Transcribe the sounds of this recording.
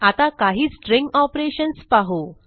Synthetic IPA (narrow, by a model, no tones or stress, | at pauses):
at̪akaɦiːt͡sʈɾĩŋɡɔpɾeɕənspaɦo